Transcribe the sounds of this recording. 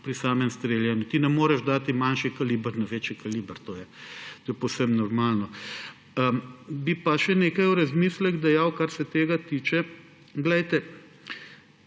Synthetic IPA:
pɾisaːmɛmst̪ɾeljɛnut̪inɛmoːɾɛʒd̪aːt̪imanʃikaliːbəɾnɐʋeːt͡ʃɛkaliːbəɾt̪ojɛt̪oːjɛpowsɛmnɔɾmaːlnɔ | əbipaʃɛneːkɐjuɾɐzmislɛɣd̪ɛjawkaɾsɛt̪eːɡat̪it͡ʃɛ | ɡlɛjt̪ɛ

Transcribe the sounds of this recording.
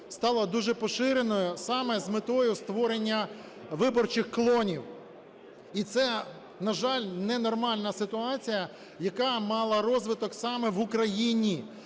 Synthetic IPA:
st̪ɑlˠɐd̪uʒɛpɔʃɪɾenɔjʊsɑmɛzmɪt̪ɔjʊst̪ʋɔɾenʲːɐ | ʋɪbɔrt͡ʃɪxklˠɔnʲiw | it̪sɛ | nɐʒɑlʲnɛnɔrmɑlʲnɐsɪt̪ʊɑt͡sʲijɐ | jɐkɑmɑlˠɐɾɔzʋɪt̪ɔksɑmɛʋʊkɾɐjinʲi

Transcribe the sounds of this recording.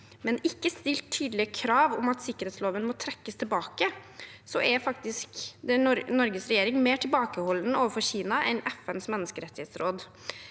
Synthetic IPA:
mɛnɪkːəst̪ɪlt̪ʰːyːd̪lɪəkʰɾɑːʋɔ̰mɑt̪sɪkːəɾeːt̪sloːʋənmɔt̪ʰɾɛkːəst̪ʰɪlbɑːkəsɔʔɛfɑkt̪ɪskd̪ɛɔɾnɔɾɡəsɾɛjeːɾɪŋmeːʈʰɪlbɑːkəhɔlːənəoːʋəɾfɔɾçiːnɑʔɛnɛfɛnsmɛnːəskəɾɛt̪ːɪheːt̪sɾoːd̪

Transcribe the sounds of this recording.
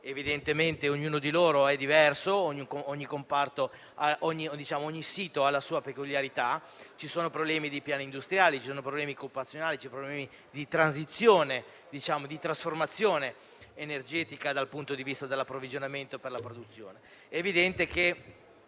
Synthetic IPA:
evid̪ent̪ement̪eoɲːuːnod̪iloːɾoɛd̪ivɛrsooɲːikoɲːikompart̪o | aʔoɲːid̪it͡ʃaːmooɲːisiːt̪oalːasuːapekuljaɾit̪a | t͡ʃisoːnopɾoblɛːmid̪ipjaːnind̪ust̪ɾjaːlit͡ʃi̥soːnopɾoblɛːmikopat̪sjonaːlit͡ʃɛpɾoblɛːmi | d̪it̪ɾanzit̪sːjoːne | d̪it͡ʃaːmod̪it̪ɾasformat̪sːjoːne | enerd͡ʒɛːt̪ikad̪alpunt̪od̪ivist̪ad̪elːapːɾovid͡ʒonament̪operlapɾod̪ut̪sːjoːne | ɛːvid̪ɛnt̪eke

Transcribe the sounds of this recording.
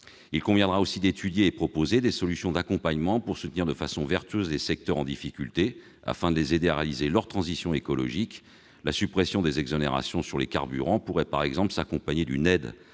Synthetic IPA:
ilkɔ̃vjɛ̃d̪ʁaosid̪et̪ʰyd̪jeːpχɔpozed̪esɔlysjɔ̃d̪akɔ̃paɲmɑ̃puʁsut̪əniʁd̪əfasɔ̃vɛʁt̪yøzlesɛk̚t̪œʁɑ̰̃d̪ifikʲylt̪e | a̰fɛ̃d̪əlezed̪eaʁealizelœʁt̪χɑ̃zisjɔ̃ekɔlɔ̰ʒik | lasypχɛsjɔ̃d̪ezɛɡzɔneʁa̰sjɔ̃syʁleka̰ʁbyʁɑ̃puʁɛpaʁɛɡzɑ̃pləsakɔ̃paɲed̪ynɛd̪

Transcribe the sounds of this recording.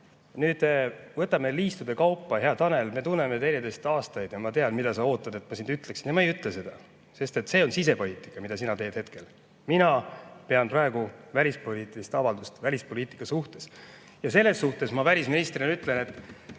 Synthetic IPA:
nyːd̪̥vɤt̪ːˑɑme̞liːst̪ud̪̥e̞kɑwpːɑheɑt̪ɑne̞lme̞t̪unːe̞met̪enʲid̪e̞st̪ɑːst̪ɑjd̪̥jɑmɑt̪eɑd̪mid̪̥ɑsɑo̞ːt̪ːˑɑd̪e̞t̪ːmɑsind̪yt̪ːˑleksind̪jɑmɑejyt̪ˑlese̞d̪̥ɑ | se̞st̪e̞t̪ːse̞ːo̞nsis̬e̞po̞liːt̪ˑi̥kːˑɑmid̪ɑsinɑt̪e̞ːd̪̥het̪ke̞l | minɑpe̞ɑnprɑe̞ɡ̥uvælʲispo̞liːt̪ːˑilist̪ɑvɑld̪ust̪vælʲispo̞lʲiːt̪ˑi̥kːˑɑsuht̪e̞s | jɑse̞lːe̞sːuht̪e̞smɑvælʲisminist̪ɾrinenyt̪ːˑle̞ne̞t̪ːˑ

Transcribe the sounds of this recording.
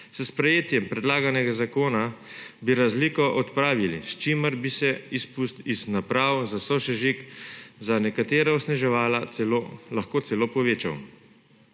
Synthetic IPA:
səspɾɛjeːt̪jɛmpɾɛd̪laːɡanɛɡazakoːnabiɾazlikɔʔɔt̪pɾaːʋilist͡ʃiməɾbisɛispust̪iznapɾaːwzasɔʃɛʒikzanɛkat̪eːɾaɔsnɛʒɛʋaːlaolaxkoːt̪sɛloːpɔʋeːt͡ʃa̰w

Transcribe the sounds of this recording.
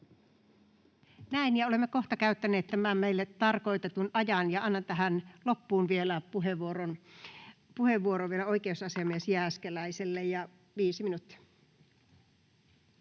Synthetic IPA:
næinjɑolemːekoht̪ɑkæyt̪ːæneːt̪t̪æmæmmeilːet̪ːɑrkoit̪et̪unɑjɑnjɑɑnːɑnt̪æɦænlopːuːnʋielæpuɦeʋuoron | puheʋʋuoɾoʋielæoikeusɑsiɑmiesjæskelæiselːejjɑ | ʋiːsiminut̪ːi̥

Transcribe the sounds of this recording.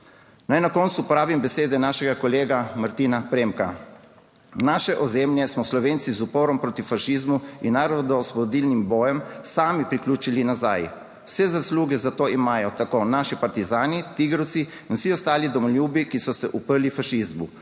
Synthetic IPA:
najnakɔːnt̪supɔɾaːbimbɛseːd̪ɛnaːʃɛɡakɔleːɡamaɾt̪iːnapɾeːmka | naːʃɛʔɔzemljɛsmɔslɔʋeːnt̪sizupoːɾɔmpɾoːt̪ifaʃizmuinːaːɾɔd̪ɔspɔd̪iːlnimbɔːjɛmsaːmipɾikluːt͡ʃilinaza̰ːj | w̥sɛzasluːɡɛzat̪oːimaːjɔt̪akoːnaːʃipaɾt̪izaːnit̪iɡɾəwt̪siːnwsiɔst̪aːlid̪ɔmɔljuːbikisɔsɛʔupəɾlifaʃizmu

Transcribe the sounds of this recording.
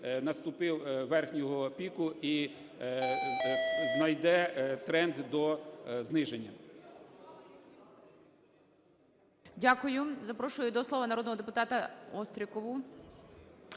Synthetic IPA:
nɐst̪ʊpɪwʋɛrxnʲɔɦɔpʲikʊi | znɐjd̪ɛt̪ɾɛnd̪d̪ɔznɪʒenʲːɐ | dʲakʊjʊzɐpɾɔʃʊjʊd̪ɔslˠɔʋɐnɐɾɔd̪nɔɦɔd̪epʊt̪ɑt̪ɐɔst̪ɾʲikɔʋʊ

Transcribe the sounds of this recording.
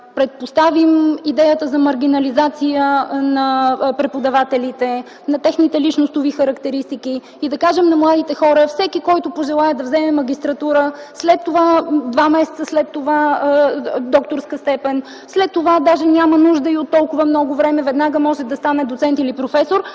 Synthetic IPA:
pɾɛt̪̚post̪avimid̪ɛjət̪əzɐmɐɾɡʲinɐlizat̪sijənɐpɾɛpod̪ɐvat̪ɛlit̪ɛ | nɐt̪ɛxnit̪ɛlit͡ʃnost̪ʊvixɐɾɐkt̪ɛɾist̪iki | id̪ɐkaʒɛmnɐmlˠad̪it̪ɛxɔɾəfsɛkikɔjt̪ʊpoʒɛlˠajɛd̪ɐvzɛmɛmɐɡʲist̪ɾɐt̪uɾəslɛt̪ːovad̪vamɛsɛ̥t̪səslɛt̪ːova | d̪ɔkt̪oɾskəst̪ɛpɛn | slɛt̪ːovad̪aʒɛnʲamənuʒd̪əiot̪ːɔlˠkʊvəmnɔɡʊvɾɛmɛvɛd̪naɡəmɔʒɛd̪ɐst̪anɛd̪ot̪sɛnt̪ilipɾofɛsoɾ

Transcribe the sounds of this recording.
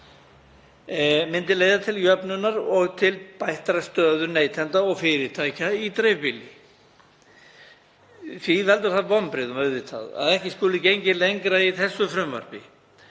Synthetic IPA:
mɪnt̪ɪleːjðat̪ʰɪljœpnʏnaɾɔɣt̪ʰɪlpajht̪ɾast̪œːðʏɾneːjt̪ʰɛnt̪aɔɣfɪɾɪɾt̪ʰajcait̪ɾejvpɪlɪ | θvivɛlt̪ʏɾ̥θaðpɔmpɾɪðʏmœððɪt̪ʰa̰ða̰ðɛhcɪskɔːlɪcejɲcɪlejŋkɾaiθɛsːʏfɾʏmvœ̰ɾ̥pɪ

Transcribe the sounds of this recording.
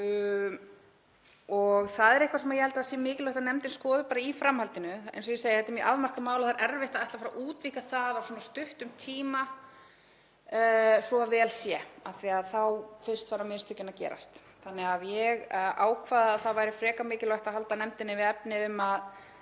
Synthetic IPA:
ɔɣθaðɛɾɛhkvasɛmajɛhɛlt̪aasɛmɪːcɪlɔht̪anɛmt̪ɪnskɔːðʏpaːɾaifɾamhalt̪ɪnʏḛjns̬ɔjɪseːjɪhɛt̪ːɪmjɛʔavmar̥kamaːwlaθaɾʔɛɾvɛht̪aðajht̪afaɾaʔuːt̪viːkaθaðawsɔːnast̪ʏht̪ʏmt̪ʰiːma | sɔavɛːlsjɛaθiaðθawfɪr̥st̪faːɾamɪst̪ʏcːɪnacɛ̰ːɾa̰st̪ | θanːɛaðjɛɣaːwkʰvaːðaðθaðvaːjɾɪfɾɛːkamɪːcɪlɔjht̪ahalt̪anɛmt̪ɪnːɪvɪɛpnɪʏmað

